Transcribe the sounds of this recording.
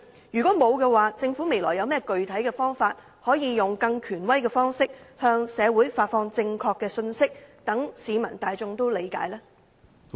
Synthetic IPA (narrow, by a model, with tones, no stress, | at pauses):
jyː˨kɔː˨˥mo˨˧wkɛː˧waː˨t͡sɪ˧ŋfuː˨˥me˨˩jlɔ̰ː˨˩jɐ˨˧wmɛː˥kɵ˨ɥt̪ʰɐ˨˥jkɛː˧fɔː˥ŋfaː˧t̚ | hɔː˨˥jiː˧jʊ˨˩ŋkɐ˧ŋkʰyː˨˩nwɐ˥jkɛː˧fɔː˥ŋsɪ˥k̚hœː˧ŋsɛː˨˧wuː˨˥jfaː˧t̚fɔː˧ŋt͡sɪ˧ŋkʰɔː˧kːɛː˧sɵ˧nsɪ˥k̚t̪ɐ˨˥ŋsiː˨˧mɐ̰˨˩nt̪aː˨jt͡sʊ˧ŋt̪o˥wle˨˧jka̰ː˨˥jlɛː˥